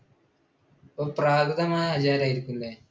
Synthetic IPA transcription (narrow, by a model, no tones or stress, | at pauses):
opraːɡɐðɐmaːjɐhɐt͡ɕaːɾaːjiɾikʲːulːeː